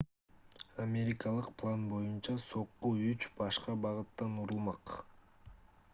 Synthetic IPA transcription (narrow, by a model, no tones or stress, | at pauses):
amʲe̞ɾʲɪkɑlˠɯqpʰlˠanbo̞junt͡ʃɑso̞qːuyt͡ʃbɑʃqɑbɑʁɯt̪ːɑnuɾulˠmɑq